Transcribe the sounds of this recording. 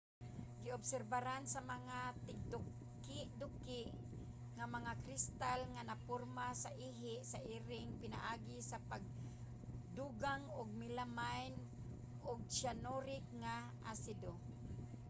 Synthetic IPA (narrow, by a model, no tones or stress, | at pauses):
ɡɪʊbsɛɾbaɾansamaŋat̪ɪɡ̚d̪ʊk | ɪʔd̪ʊkːɪʔ | ŋamaŋakɾɪst̪alŋanapʊɾmasaʔiɦɪʔsaʔiːɾɪŋpɪnaʔaːɡɪsapaɡ̚ | d̪uɡaŋʊɡ̚mɪlamajn | ʔʊɡ̚ʃanoɾɪk̚ŋa | ʔasɪd̪o